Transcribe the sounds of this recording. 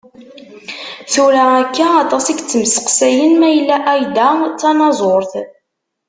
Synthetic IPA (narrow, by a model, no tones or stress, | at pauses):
θuɾaækːæɑt̪ˤɑsiɡt͡sːməsə̥qsæjənmæjəlːæʔæjd̪æt͡sːɑnɑzˤoɾθ